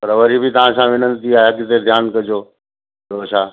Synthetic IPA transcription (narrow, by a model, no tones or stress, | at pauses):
pɐɾʋɐɾibʱɪt̪ɐʋ̤ãsãʋɪnənt̪iaːeɐɡɪt̪ed̪ʱjaːnkɐd͡ʑoː | ɾoːʃaː